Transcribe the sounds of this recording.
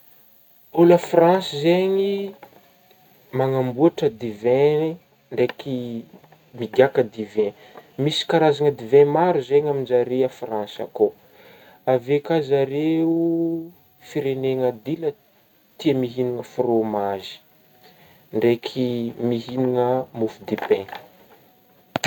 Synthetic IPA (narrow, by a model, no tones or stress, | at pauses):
olafransizeŋi | maŋambuaʈ͡ʂəd̪ivɛ̃ | ɳɖ͡ʐeki | miɡʲakəd̪ivɛ̃ | misi̥kaɾazaŋəd̪ivɛ̃maɾuzeɲamind͡ʒaɾeafransa̰ko | avekazaɾeu | fiɾeneŋəd̪ilə | t̪iəmiɦiniŋəfromazi̥ | ɳɖ͡ʐekʰimiɦiniŋəmufud̪ipɛ̃